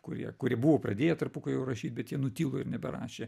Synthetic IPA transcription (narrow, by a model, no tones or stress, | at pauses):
kʊɾʲḭɛkʊɾʲiɛbuʋoːprɐd̪ʲeːjɛt̪ɐɾpukɐɪjɛʊrɐʃʲiːt̪̚bʲɛt̪jiɛnʊt̪ʲiːlˠoːɪɾnʲɛbʲɛɾɑ̰ːʃʲeː